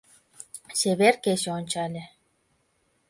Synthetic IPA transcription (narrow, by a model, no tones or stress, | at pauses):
seβerkeɕeonʲt͡ɕɑlʲĕ